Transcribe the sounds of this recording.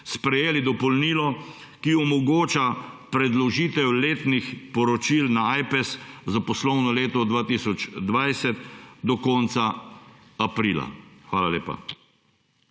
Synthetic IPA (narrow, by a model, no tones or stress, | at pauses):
spɾɛjeːlid̪ɔpɔlniːlɔ | kiɔmɔɡoːt͡ʃapɾɛd̪lɔʒiːt̪ɛwleːt̪nixpɔɾɔt͡ʃilnaajpɛszapɔslɔwnɔleːt̪ɔd̪ʋaːt̪isɔd͡ʒd̪ʋajsɛt̪d̪ɔkɔːnt̪sa | apɾiːla̰xʋaːlaleːpa̰